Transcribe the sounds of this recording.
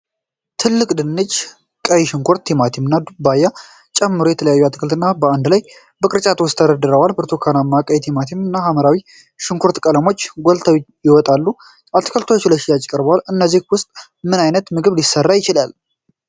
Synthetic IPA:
t̪ʰɨlːɨkʼd̪ɨnːɨt͡ʃ | kʼəjiʃɪŋkʰoɾt̪ʰːimat̪ʰimɨnːad̪ubajːa | t͡ʃʼɛmːɨɾo̞jɛt̪ʰələjajːuat̪kʰəlt̪ɨnːabəand̪laj | bəkʼɨɾt͡ʃʼat̪ʼwʊst̪ʰːəd̪əd̪ɨɾəwalbɨɾt̪ʰokʰanamːakʼəjt̪ʰimat̪ʰimɨnːahaməɾawi | ʃɪŋkʰoɾt̪kʼələmo̞t͡ʃːɡolt̪ʰawjɪwɔt̪ʼalːu | ʔat̪ːkʰəlt̪ʰot͡ʃːɪləʃijat͡ʃʼkʼəɾbəwalɨnːəzːihwʊst̪ʼ | mɨnajnət̪mɨɡɨβlisːərːajɪt͡ʃɪlal

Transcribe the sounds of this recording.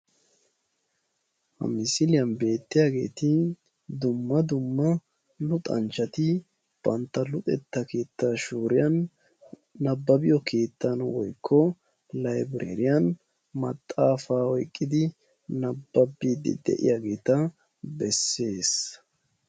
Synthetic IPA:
hɐ̰mɪsɪlɪjɐnbe̞ːt̪ːɪjaːɡe̞̰ːt̪ɪ | d̪ʊmːɐd̪ʊmːɐ | lʊt̪ʼɐ̰nt͡ʃːɐt̪ɪ | b̥ɐnt̪ːɐlʊt̪ʼɛt̪ːɐke̞ːt̪ːaːʃuːɾɪjɐnː | ɐbːɐbɪjɔkʰe̞ːt̪ːɐnwɔ̰jkʰːɔ | lɐjbɾḛːɾɪjɐn | mɐt̪ʼːaːfaːɔjkʼːɪd̪ɪ | nɐbːɐbːiːd̪ɪ̰d̪ɛ̰ʔɪ̰jaːɡe̞ːt̪ɐ | bɛsːe̞ːs

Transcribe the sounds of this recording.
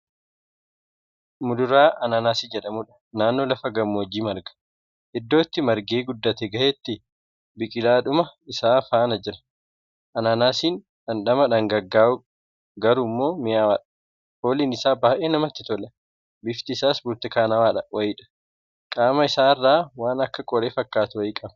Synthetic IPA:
mʊd̪ʊɾaːʔɐnaːnaːsɪd͡ʒɛᶑɐmuːᶑɐ̥ | naːnːo̞ːlɐfɐɡɐmːoːd͡ʒiːmɐɾɡɐ̥ | ʔɪd̪ːo̞ːt̪ːɪmɐɾɡeːɡʊd̪ːɐt̪ɛɡɐheːt̪ːɪ | bɪkʼɪlaːᶑʊmɐɪsaːfaːnɐd͡ʒɪɾɐ̥ | ʔɐnaːnaːsiːn | ᶑɐnɗɐmɐᶑɐŋɡɐɡːaːʔʊ | ɡɐɾuːmːo̞ːmɪjaːwaːᶑɐ̥ | hoːliːnɪsaːbaːʔeːnɐmɐt̪ːɪt̪ɔlɐ | bɪft̪ɪːsaːsbʊɾt̪ɪkaːnɐwaːᶑɐwɐjɪᶑɐ̥ | kʼaːmɐɪsaːɪrːaːwaːnɐkːɐkʼɔɾeːfɐkːaːt̪ʊwɐjɪkʼɐbɐ

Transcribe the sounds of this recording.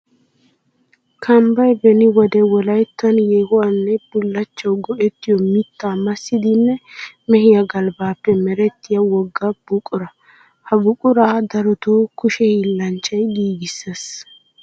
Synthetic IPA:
kʰɐmbɐjbɛnɪwɔd̪ɛwɔlɐjt̪ːɐnjɛɡɔwanːɛb̥ʊlːɐt͡ʃːɐwɡɔʔɛt̪ːɪjɔmɪt̪ːaːmɐsːɪd̪ɪnːɛ | mɛhɪjɐɡɐlbaːpːɛmɛɾɛt̪ːɪjɐwɔɡːɐb̥ʊkʼʊɾɐ | hɐbʊkʼʊɾaːd̪ɐɾɔt̪oːkʊʃɛhilːɐnt͡ʃːɐjɡiːɡɪsːɐs

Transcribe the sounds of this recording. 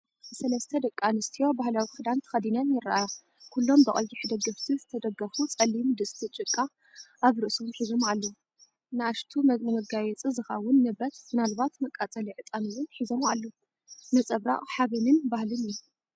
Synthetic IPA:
ɨsɐlɐst̪ʰɐd̪ɐkʼːanɨst̪ʰijo̞bahlawixɨd̪ant̪ʰɨ̥xɐd̪inɐnjɪraʔajo | kʰulːo̞mbɨχʼɐ̰lt̪iħɨd̪ɐɡɐft̪ʰizɨt̪ʰɐd̪ɐɡɐfut͡sʼɐlːimɨd̪ɨsʼt̪ʰit͡ʃʼɨkʼːa | ʔaβɾɨʔsomħizomalːo | nɨaʃt̪ʰumnɨmɐɡajɛt͡sʼɨzɨxɐwʊnːɨbɐt̪ɨnalbat̪mɐkʼːat͡sʼɐliʕɨt̪ʼamiwʊnħizomalːo | nɨt͡sʼɐβɾa̰χʼħaβɨnɨnbahlɨniju

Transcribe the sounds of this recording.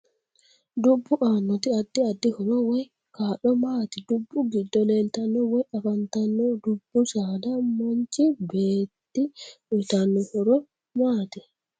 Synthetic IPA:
dubːuʔanːɔt̪iadːiadːihɔɾɔwɔj | kaːɗɔmaːtidubːuɡidːɔlɛltanːɔwɔjʔafantanːɔdubːusaːdamoɲt͡ʃibeːtːiɗɔtanːɔhɔɾɔ | maːti

